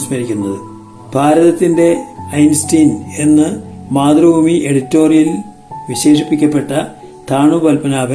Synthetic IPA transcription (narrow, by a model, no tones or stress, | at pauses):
smɐɾikʲːunːɐðɨ | bʱaːɾɐðɐt̪ːinde̞ɐjnstiːne̞nːɨmaːd̪rɐbʱuːmieɽitːo̞ːrijil | ʋiɕe̞ːʂipːikʲːɐpːe̞ʈːɐ | t̪ʰaːɳubɐlpɐnaːbɐ